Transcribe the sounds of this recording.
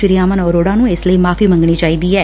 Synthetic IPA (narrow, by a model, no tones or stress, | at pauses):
ɪɾijaːmənɔːɾoːɽãːnũːesləiːmaːfʰiːmə̃ŋɡɽ̃iːt͡ʃaːiːd̪iːɦɛː